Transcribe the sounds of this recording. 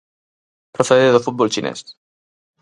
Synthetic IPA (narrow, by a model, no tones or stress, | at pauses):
pɾəfəɾɾðəfut̪̚bɔlˠt͡ʃinɛ̰s